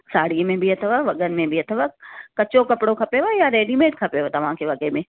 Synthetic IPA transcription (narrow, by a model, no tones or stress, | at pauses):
saːɽiəmẽbʱiɦɐt̪ʰəʋaʋɐɠənɪ̆mẽbiɦɐt̪ʰəʋakɐt͡ɕokɐpɪɽokʰɐpeʋojaɾeːɖimeːʈkʰɐpjoʋt̪ɐʋ̤ãkʰeːʋɐɠəmẽ